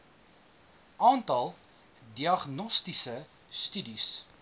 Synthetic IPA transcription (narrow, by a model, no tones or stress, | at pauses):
ʔɑːntɐlˠ | diɐχnɔstisə | stydis